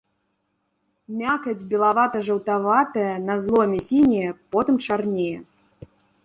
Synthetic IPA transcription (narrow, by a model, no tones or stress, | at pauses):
mʲakɐd͡zʲbʲɛlˠavat̪ɐʐɐwt̪avat̪ɐjɐnɐzlˠɔmʲɛsʲinʲɛjɛpɔt̪ɨmt͡ʂarnʲejɛ